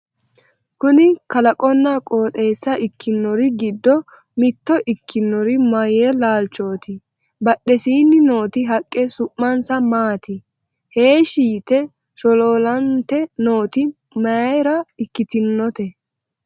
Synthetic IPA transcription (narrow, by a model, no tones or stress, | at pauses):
kʊnɪkɐlɐkʼɔnːɐkʼoːt̪ʼe̞ːsːɐʔɪkʰːɪnːɔɾɪɡɪd̪ːɔ | mɪt̪ːɔʔɪkːɪnːɔɾɪmɐjelaːlt͡ʃːoːt̪ɪ | bɐɗɛsiːnːɪno̞ːt̪ɪɦɐkʼːɛsʊʔːɐnsɐmaːt̪ɪ | heːʃiːt̪ɛ | ʃɔloːlɐnt̪ɛno̞ːt̪ɪ | mɐɾɐɪkːɪt̪ɪnːɔt̪ɛ